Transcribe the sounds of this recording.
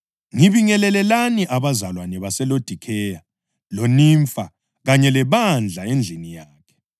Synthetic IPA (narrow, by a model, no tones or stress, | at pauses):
ŋiβiŋɛlɛlɛlaniʔaβazalwanɛβasɛlod̥ʱikʰɛja | loniːɱfa | ɣaɲɛlɛβand͡ɮʱaend͡ɮʱinijaːkʰɛ̥